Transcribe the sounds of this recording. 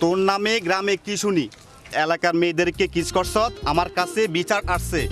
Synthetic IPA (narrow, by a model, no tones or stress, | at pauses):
t̪oɾnːameɡɾamekit͡ɕʰuni | ɛlakaɾmed̪eɾkekit͡ɕkɔɾsɔt̪amaɾkat͡ɕʰebit͡ɕaɾaʃt͡ɕʰe